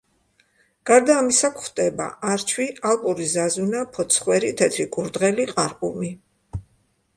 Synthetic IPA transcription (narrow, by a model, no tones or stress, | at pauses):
ɡ̥aɾd̪aːmisakʰχd̪ɛba̰ʔaɾt͡ʃʰwialˠpʼuɾizazunapʰɔt̪sʰχwɛɾit̪ʰɛt̪ʰɾikʼuɾd̪ʁɛliqʼaɾqʼṵmi